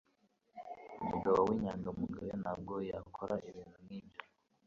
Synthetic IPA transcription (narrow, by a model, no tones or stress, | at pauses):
umuɡaβawiːɲaːŋɡaumuɡajenab̚ɡojakʰoɾaʔiβiːnthumŋiːbja